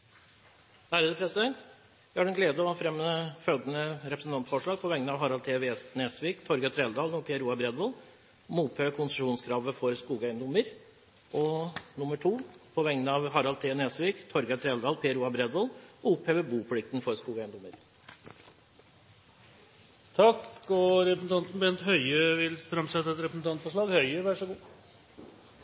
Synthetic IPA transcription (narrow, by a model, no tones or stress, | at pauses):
d̪æɾʉːd̪əpʰɾɛsɪd̪ɛnt̪ | ɑɖɛnɡleːd̪əɔɑfɾɛmːəəfœlɡ̪ənəɾɛpɾəsn̩t̪ɑnt̪fɔʂɭɑːɡ̚pʰɔʋɛŋənɑːʋɦɑɾɑlt̪ʰeːʋeːsneːsʋiːkt̪ʰɔɾɡɑt̪ʰɾɛːld̪ɑːlɔpʰɛəɾuːɑbɾɛd̪ʋɑl | muːpʰheːʋəkʰʊnsəʂuːnskʰɾɑːʋəfɔɾskuːɡæɪənd̪ʊməɾ | ʔɔnʊməʈʰuːpʰɔʋɛŋnəɑʋɦɑɾɑlt̪ʰeːneːsʋiːkt̪ʰɔɾɡɑt̪ʰɾɛːld̪ɑːlpʰɛəɾuːɑbɾɛd̪ʋolɔʊpheːʋəbuːpʰlɪk̚t̪ən̩fɔɾskuːɡæɪnd̪ʊməɾ | t̪ʰɑkɔɾɛpɾəsn̩t̪ɑnt̪n̩bɛnt̪hœʏøʋɪlfɾɑmsɛt̪ːəɛt̪ɾɛpɾəsn̩t̪ɑnt̪fɔʂɭɑːɡhœʏəʋæʂɔɡuː